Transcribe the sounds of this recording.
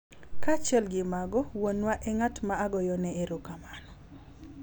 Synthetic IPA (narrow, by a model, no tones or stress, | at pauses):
kat͡ʃɛlɡɪmaɡɔwonwaʔɛŋatmaːɡɔjɔnɛeɾokamanɔ